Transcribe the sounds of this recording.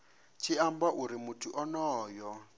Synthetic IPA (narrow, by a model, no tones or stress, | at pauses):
t͡ʃʰiambaʔuɾimutʰuʔɔnɔːjɔ